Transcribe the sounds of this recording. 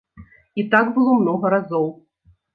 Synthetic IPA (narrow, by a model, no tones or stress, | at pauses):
it̪aɡbɨlˠɔmnɔɣɐɾazɔw